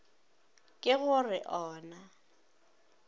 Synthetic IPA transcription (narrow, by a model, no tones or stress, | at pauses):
kʼɪɣʊrɪʔɔːna